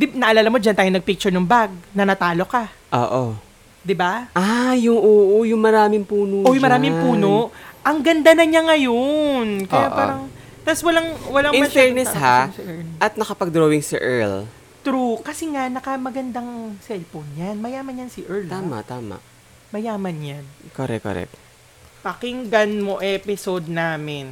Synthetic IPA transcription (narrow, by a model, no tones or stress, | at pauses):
d̪ɪnɐʔɐlaːlɐmo̞d͡ʒɐnt̪aːjonɐɡ̚pɪk̚t͡ʃʊɹnɐŋbaɡ̚nɐnɐt̪aːlo̞kaʔo̰ːʔo | d̪ɪbaʔajʊŋoːʔojʊŋmɐɾaːmɪŋpuːnoʔojʊŋmɐɾaːmɪŋpuːnoʔɐŋɡɐnd̪anɐɲaŋɐjonkɐjapaːɾɐŋ | t̪aswɐlaŋwɐlaŋɪmɐfɛɹnɛshasɛʔɐt̪̚nɐkɐpɐɡ̚d̪ɾoːwɪŋsɐ̰ʔɛɹl | t̪ɾukɐsɛŋanɐkɐmɐɡɐnd̪aŋsɛlfonjanmɐjaːmɐnjɐnsiʔɛɹlt̪aːmɐ̰ʔt̪aːmɐ̰ʔ | mɐjaːmɐnjankoɾɛ̰kːo̰ɾɛ̰k̪̚ | pɐkɪŋɡɐnmoʔɛpɪsod̪̚naːmɪn